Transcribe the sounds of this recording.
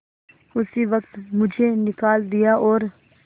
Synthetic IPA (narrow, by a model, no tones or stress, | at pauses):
ʊsiːʋəkt̪mʊd͡ʒʱeːnɪkaːld̪ɪjaːʔɔːɾ